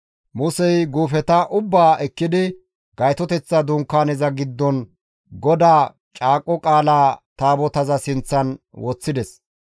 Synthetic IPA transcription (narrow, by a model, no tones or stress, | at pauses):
mʊsɛjɡuːfɛt̪ɐʔʊbːaːʔɛkːɪd̪ɪ | ɡɐjt̪ɔt̪ɛt͡sːɐd̪ʊŋkːaːnɛzɐɡɪd̪ːɔn | ɡɔd̪aː | t͡ʃʼaːkʼːɔkʼaːlaːt̪aːbɔt̪ɐzɐsɪnt͡sːɐn | wɔt͡sːɪd̪ɛs